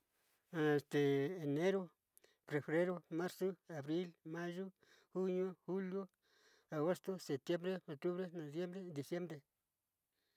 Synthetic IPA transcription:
e˨st̪eː˨ne˦ɾo˦ | pɾe˨fɾe˦ɾo˦ma˦ɾso˦a˨βɾi˦lma˦ʒu˦ | xu˦ɲo˦xu˦ljo˦ | a˨ɣo˦st̪o˦se˨t̪je˦mbɾe˦o˨t̪u˦βɾe˦no˨βje˦mbɾe˦d̪i˨sje˦mbɾe˨

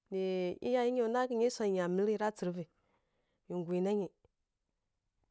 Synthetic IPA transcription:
ni˨ḭ˦ja˦ji˦ɲe˨˦na˦ki˨ɲe˦sʷa˨i˨ɲa˨mi˦ɾi˦ɾa˦t͡si˨ɾvi˨ | mi˨ŋ˨ɡʷi˨na˦ɲi˨

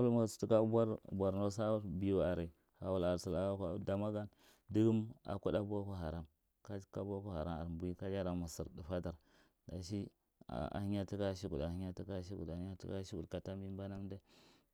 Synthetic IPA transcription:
a˦lma˨stu˦ka˦a˦ɾ̰bʷa˨ɾno˦sa˦u˦bi˨ju˨a˨ɾi˨ | ha˨wu˨la˨ɾsi˨la˨a˦ka˨da˨ma˦ɡa˦n | di˦ɡu˦ma̰˨ku˦da˦bo˦ku˦ɦa˨ɾa˦m | ka˦ka˦bo˦ku˦ha˨ɾa˦a̰˨ɾbu˨˦i˦ka˦d͡ʒa˦ɾa˨ma˨sḭ˨ɾdi˨fa˦da˨ɾ | da˨ʃ̬i˦ | a̰˨a̰˨hi˦ɲa˦ti˦ka˦ʃi˦ɡu˨a˨hi˦ɲa˦ti˦ka˦ʃi˦ɡṵ˨da˨˦ɲ˦a˦ti˦ka˦ʃi˦ɡu˨ka˨ta˦mbi˦m˦ba˦na˦mde˦

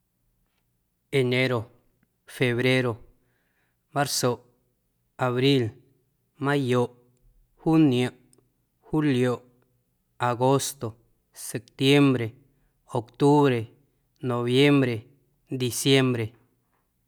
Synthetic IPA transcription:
e˨nẽ˦ɾo˨ | fe˨βɾe˦ɾo˨ | mã˦ɾso˨ʔ | a˨βɾi˦l | mã˦jo˨ʔ | hu˦nj̃ã˨ʔ | hu˦ljo˨ʔ | a˨ɡo˦st̪o˨ | se˨p̚t̪je˦mbɾe˨ | o˨kt̪u˦βɾe˨ | nõ˨βje˦mbɾe˨ | d̪i˨sje˦mbɾe˨

